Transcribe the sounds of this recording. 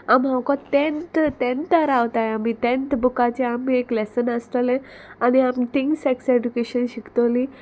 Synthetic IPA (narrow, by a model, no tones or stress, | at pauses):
amɦãkɔ̃t̪ent̪t̪ẽnt̪əɾawt̪ajamiʈ̪ẽnt̪bukat͡ɕeamːieklɛsənəst̪əlẽ | aniamit̪iŋɡseksed͡ʑukeɕənɕikt̪oli